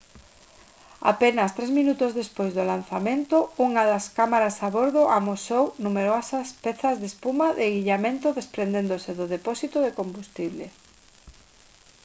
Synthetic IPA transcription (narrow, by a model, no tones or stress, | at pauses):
a̰penɐst̪ɾɛzmĩnut̪ozðespojzðolanθamẽnt̪ouŋaðɐskamaɾasaβoɾðoʔamosownumeɾoasaspɛθɐzðespumaðeɣiʎamẽnt̪ʊðespɾend̪end̪osɪðʊðepɔsit̪oðekombust̪iβlḛ